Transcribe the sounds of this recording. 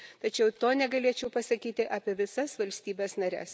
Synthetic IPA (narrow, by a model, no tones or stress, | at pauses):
t̪ɐt͡ʃʲɛʊt̪oːnʲɛɡɐlʲeɛt͡ʃʲɛʊpɐsɐkʲiːt̪ʲɪʔɑːpʲeɛʋʲɪsɐsʋɐlʲsʲt̪ʲiːbʲɛːsnɐɾʲɛ̰s